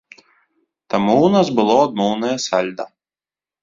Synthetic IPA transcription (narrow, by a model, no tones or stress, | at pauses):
t̪ɐmuːnɐsbɨlˠɔd̪̚muːnɐjɛsælʲd̪ɐ̰